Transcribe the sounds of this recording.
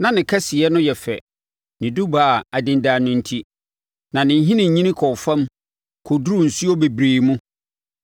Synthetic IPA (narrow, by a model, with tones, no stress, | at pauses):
nã˨nɪ̃˨kʰa˦si˨ɛ˦nʊ̃˦jɛ˨fɛ˨ | nɪ̃˨du˦ba˨a˨dɪ̃˨ndaː˨nʊ̃˨n̩˨tʰi˦ | nã˨nɪ̃˨˦ɦĩ˦nɪ̃˨ɲĩ˦nɪ̃˦kʰɔ˨fã˦m | kʰo˨dɾu˦˨n̩˨su˦ɔ˦be˨bɾeː˨mũ˦